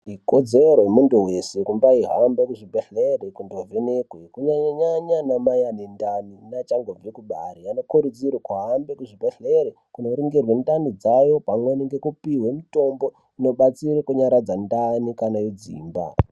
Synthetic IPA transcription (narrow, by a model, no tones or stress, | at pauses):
ikod͡zeɾojemunduwesekumbaiɦambekuʐibʱeɬeɾekundo̞venekwekuɲaɲaɲanamajanendaninat͡ʃaŋɡob͡vikuɓa̰ɾiano̞kuɾud͡zirwekuɦambekuʐibʱeɬeɾe | kuno̞ɾiŋɡirwendanid͡zajo̞pamweniŋɡe̞kupiwe̞muto̞mbo̞ | ino̞ɓat͡sirekuɲaɾad͡zandanikanajod͡zḭːmba̰